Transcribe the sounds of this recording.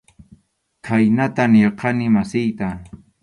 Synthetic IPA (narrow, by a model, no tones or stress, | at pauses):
kʰajnat̪anɪɾqɑnɪmasɪjt̪a